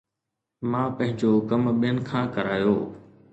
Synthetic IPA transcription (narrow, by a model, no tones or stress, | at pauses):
mãːpɐ̃ɦɪ̃ɲd͡ʑokɐmɓijənɪ̆kʰãːkɐɾaːjoː